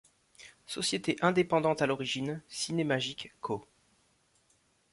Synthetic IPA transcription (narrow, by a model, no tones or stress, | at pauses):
sɔsjet̪eʔɛ̃d̪epɑ̃d̪ɑ̃t̪alɔʁiʒinsinemaʒikːʰo